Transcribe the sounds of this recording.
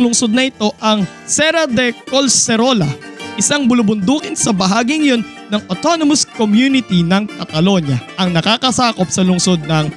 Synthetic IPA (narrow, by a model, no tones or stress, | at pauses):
lʊŋsod̪̚nɐʔɪt̪o̞ʔɐŋ | sɛɾɐd̪ɛkolsɛɾolɐ | ʔɪsɐŋbʊlʊbʊnd̪uːkɪnsɐbɐɦaːɡiŋɐjo̞n | nɐŋʔot̪o̞nomɐskomjunɪt̪inɐŋkɐt̪ɐlo̞ɲjɐʔɐŋnɐkaːkɐsaːko̞p̚sɐlʊŋso̞d̪̚nɐŋ